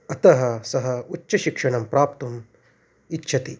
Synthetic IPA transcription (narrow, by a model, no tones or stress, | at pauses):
ɐt̪ɐɦɐsɐɦɐutːʃːɐʃikʂɐɳɐmpɾaːpt̪um | itːʃʰɐt̪i